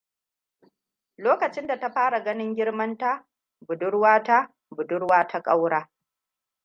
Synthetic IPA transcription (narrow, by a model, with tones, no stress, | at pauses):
loː˦kɐ˨t͡ʃɪ˦nda˨ta˦ɸaː˦ɽa˨ɡɐ˦nɪ˦ŋɡʲɪ˦ɽmɐ˦nta˦ | bʊ˨dʊ˦ɽwaː˦ta˦ | bʊ˨dʊ˦ɽwaː˦tʰa˦kʼa˦wɽaː˦